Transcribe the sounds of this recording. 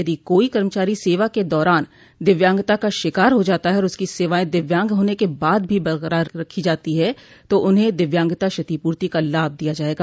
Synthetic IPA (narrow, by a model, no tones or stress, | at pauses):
ɐd̪ikoːikɐɾmət͡ʃaːɾiseːʋaked̪ɔːɾaːn | d̪ɪʋjãːŋɡt̪akaʃɪkaːɾɦod͡ʒaːt̪aɦɛɔːɾʊskiseːʋaːẽd̪ɪʋjãːŋɡɦoːnekebaːd̪̚bʱibɐɾɣɾaɾɐkʰːid͡ʒaːt̪iɦɛ | t̪oʔʊnɦẽd̪ɪʋjãːŋɡt̪aʃɐt̪ipuːɾt̪ikalaːb̚ʱd̪ijad͡ʒaːeːɡaː